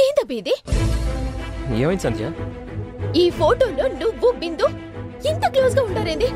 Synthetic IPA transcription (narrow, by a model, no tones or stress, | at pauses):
eːnd̪ɐbiːd̪i | eːʋɐjnsɐnd͡ʒja | iːpʰoːʈoːloːnuʋːubind̪u | int̪ɐkloːsɡaːuɳʈaːɾɐnd̪i